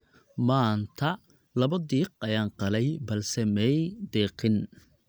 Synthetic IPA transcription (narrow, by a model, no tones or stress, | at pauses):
maːnt̪ʰɐ | lɐβɔd̪iːq̚ɐjaːnqɑlɛjbɐlsɛmɛjd̪ɛːqɪn